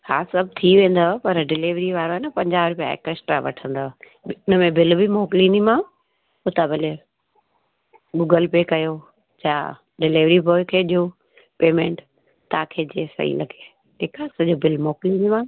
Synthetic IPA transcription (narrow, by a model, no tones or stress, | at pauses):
ha̰ːsɐb̚ʱt̪ʰiʋẽːn̆d̪opɐɾɖɪliʋɾiʋaːɾoɦɛnəpɐ̃ɲd͡ʑaːʋɾʊpija̰ɪ̰kəsʈɾaʋɐ̰ʈʰə̃nd̪o | ʊnə̆mẽbɪlbimɔːkliːnimã | ʊt̪aːbɪle | ɡʊɡəlpekɐjo | d͡ʑaː | ɖɪlɪːʋɾiboːkʰeːʄoː | peːmẽːɳʈ | t̪ːaːkʰeːd͡ʑeːsɐ̰ɦḭlɐɡe | eːkaːsɐʄobɪlmɔːkliːnimã